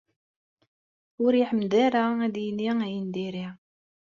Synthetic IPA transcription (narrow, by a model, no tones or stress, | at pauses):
ʊɾiħəmd̪æɾaæd̪jnːiæjənd̪iɾi